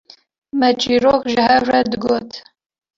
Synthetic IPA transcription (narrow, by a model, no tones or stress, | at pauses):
mɛt͡ʃiːroːxʒɨhɛvrɛd̪ɨɡoːt̪